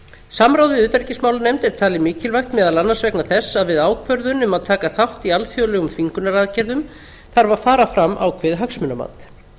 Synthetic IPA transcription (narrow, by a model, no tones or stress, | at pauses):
samɾawðɪðʏːt̪aɾcɪsmaːwlʏnɛjmt̪ɛɾ̥t̪ʰaːlɪmiːcɪlvajxt̪mɛːðalanːansvɛknaθɛsːaðvɪðaːwkʰvœɾðʏnʏmaðt̪ʰaːkaθawht̪ialθjowlɛːɣʏmθʰviŋkʏnaɾaːðcɛɾðʏm | θaɾvaðfaːɾafɾamːʔa̰wkʰvɪðɦaksmʏnama̰nt̪